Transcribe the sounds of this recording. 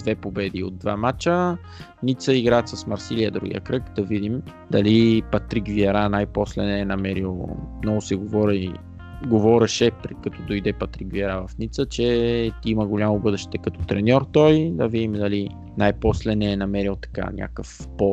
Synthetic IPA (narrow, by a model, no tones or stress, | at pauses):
d̪vɛpobɛd̪io̰d̪̚ːva̰mat͡ʃə | nit̪səiɡɾaɛt̪səsmɐɾsiliəd̪ɾṵɡʲḭə̰kɾɤkd̪ɐvid̪im | d̪ɐlipɐt̪ɾikviɐɾanajpɔslɛnɛːnɐmɛɾilˠmnɔɡʊsɛɡovɔɾi | ɡovɔɾɛʃɛpɾɛkɐt̪ɔd̪ojd̪ɛpɐt̪ɾikviɐɾavɐfnit̪sət͡ʃɛt̪iməɡolʲamʊbɤd̪ɛʃt̪ɛkɐt̪ɔ̥t̪ɾɛnʲɔɾt̪ɔjd̪ɐvid̪imd̪ɐli | najpɔslɛnɛːnɐmɛɾilˠt̪ɐ̥ka̰nʲʔa̰kəfpɔ